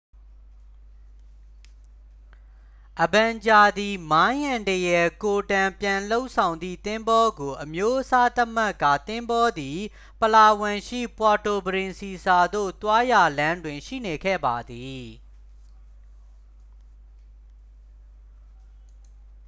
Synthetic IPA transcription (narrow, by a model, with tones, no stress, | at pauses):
ʔəbã˨ɲd͡ʑa˨d̪i˨mã˦jã˨ntə˨jɛ˨ko˨tã˨mpjã˨lo˦ʊʔsʰã˨ʊ̃nd̪ðḭ˦˨t̪ɪ̃˦mbɔ˦ɡo˨ʔəmjo˦ʔəsa˦t̪ə˦ma˦˨kːa̰˦˨t̪ɪ̃˦mbɔ˦d̪i˨ | pəla˨wɪ̃˨ʃḭ˦˨pwa˨to˨bəɹɪ̃˨nsi˨sa˨d̪o̰˦˨t̪wa˦ja˨lã˦ndwɪ̃˨ʃḭ˦˨ne˨ɡʰɛ̰˦˨ba˨d̪i˨